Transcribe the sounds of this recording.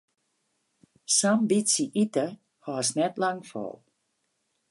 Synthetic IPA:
sambisiʔitə | hɔəsnɛtlaŋfɔ̰lˠ

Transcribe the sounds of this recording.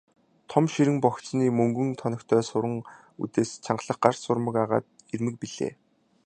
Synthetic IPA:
t̪ʰɔmʃiɾɘ̆ŋpɔxt͡sniːmɵŋɡɵ̆ŋt̪ʰɔnɞ̆kt̪ʰœːsʊɾə̆ŋ | ṵt̪eːst͡ɕʰaɴɢɮə̆χ̚ɢar̥sʊrmə̆kaʁa̰ːt̪̚ | ermɘ̆k̚piɮḛː

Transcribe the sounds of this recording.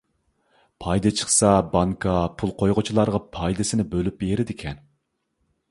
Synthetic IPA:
pʰɑjd̪ɨt͡ʃʰə̥χsɑbɑŋkʰɑpʰulˠqʰojʁʊt͡ʃʰilˠɑɾʁɑpʰɑjd̪ɪsɪnɪbølypeɾɪd̪ɪkʲʰɛn

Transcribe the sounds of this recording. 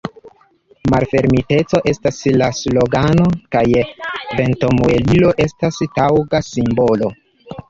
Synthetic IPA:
ma̰lfe̞ɾmite̞t͡so̞ʔe̞staslaslo̞ɡano̞kajve̞nto̞muelilo̞ʔe̞stastawɡasimbo̞lo̞

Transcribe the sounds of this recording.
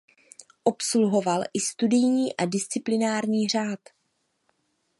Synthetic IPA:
ʔo̞psluɦo̞valʔɪst̪udɪjɲiːʔadɪst͡sɪplɪnaːɾɲiːr̝aːt̪

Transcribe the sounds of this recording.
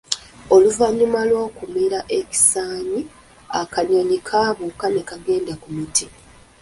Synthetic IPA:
o̞luvaɲimalwo̞ːkumiɾaʔe̞ci̥saːɲi | akaɲaɲikʰaːβukane̞kaɡe̞ːndakumutʰi

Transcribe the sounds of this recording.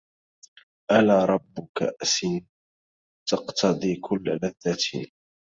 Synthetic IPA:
ʔalaːɾˤɑbːʊka̰ʔʔsin | t̪ɑqt̪ʰɑd̪ˤiːkʰʊlːalaðːat̪ː

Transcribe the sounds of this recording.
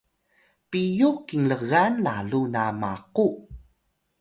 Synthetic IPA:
pijukiŋləɣanlaɮunamaqu

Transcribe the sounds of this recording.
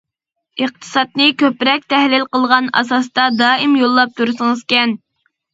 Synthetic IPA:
əq̚t̪ʰɨ̥sɑt̪̚nɨkʲøpɾɛk̚ʲt̪ʰɛhlɪlqəlˠʁɑnɑ̰sɑst̪ɑd̪ɑːɪmjolˠːɑp̚t̪ʰuɾɨsɨŋɨzkʲɛn

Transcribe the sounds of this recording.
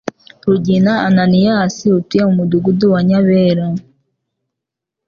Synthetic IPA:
ɾuɟinaananijasiutujemumuduɡuduwaɲaβeɾa

